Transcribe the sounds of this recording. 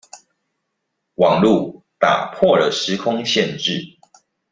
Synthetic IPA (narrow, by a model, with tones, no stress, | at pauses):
wɑ˨˩ŋlu˥˨ | t̪a̰˨˩pʰwɔ˥˨lə˨ʂɻ̩˨˦kʰʊ˦ŋɕjɛ˥˨nʈ͡ʂɻ̩˥˨